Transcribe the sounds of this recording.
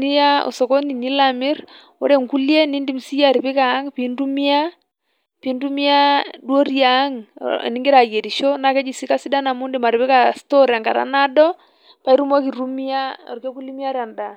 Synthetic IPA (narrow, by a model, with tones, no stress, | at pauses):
ni˦ja˦o̰˨sɔ˨ko˦ni˨ni˦la˨mɪ˦ɾ | wo̰˦ɾe˦ŋku˦lje˦ni˦ndi˦msi˦ja˨ɾi˨pɪ˦ka˨˦ŋpi˨ndu˦mi˦a˦ | pi˨˦ndu˦mi˦a˦dwo˦ɾja˨˦ŋ̰˨ni˦ŋɡɪ˦ɾa˨je˨ɾi˨ʃo˦na˨kɛ˦d͡ʒi˨si˦ka˦si˦da˦na˨mu˦ndi˨ma˨ɾi˨pɪ˦ka˨sto˦ɾa˨ŋɡa̰˨ɾa̰˦na˦dɔ˦ | pa˦i˦ɾu˦mo˦ki˨ɾu˦mi˦a˦o̰˨ɾke˦ku˦li˦mja˦ɾja˨nda˨